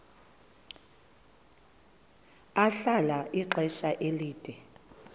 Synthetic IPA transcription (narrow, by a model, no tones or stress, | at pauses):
aɬalaʔiǃʱɛʃaʔeliːd̥ʱɛ